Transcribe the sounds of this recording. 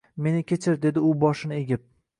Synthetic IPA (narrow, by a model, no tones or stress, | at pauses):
me̞nɪkʲʰe̞t͡ʃʰɪɾd̪e̞d̪ɪʊbɒʃɪnɪeɡʲɪp̚